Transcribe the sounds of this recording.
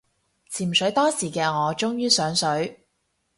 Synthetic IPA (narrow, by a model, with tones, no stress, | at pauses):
t͡sʰiː˨˩msɵ˨˥ɥt̪ɔː˥siː˨˩kɛː˧ŋɔː˨˧t͡ʃʊ˥ŋjyː˥sœː˨˥ŋsɵ˨˥ɥ